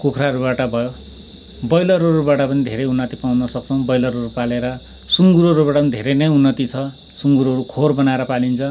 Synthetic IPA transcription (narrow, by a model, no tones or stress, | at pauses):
kukʰraɾubaʈʌbʱʌjo | bʌjlʌɾoɾubaʈʌpʌnid̪ʱeɾʌjunːʌt̪ipawnʌsʌk̚t͡sʰʌw̃bʌjlʌɾʌɾupaleɾʌ | suŋɡuɾʌɾubaʈʌpʌnid̪ʱeɾejnʌjunːʌt̪it͡sʰʌ | suŋɡuɾʌɾukʰorbʌnaeɾʌpalint͡sʰʌ